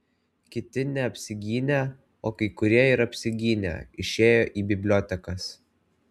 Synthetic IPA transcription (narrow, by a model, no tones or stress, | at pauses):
kʲɪt̪ʲɪnʲɛɐpʲsʲɪɡʲiːnʲɛ | oːkɐɪkʊɾʲiɛɪɾɐpʲsʲɪɡʲiːnʲɛ̰ɪʃʲeːjoːʔiːbʲɪbʲlʲoːt̪ʲɛkɐs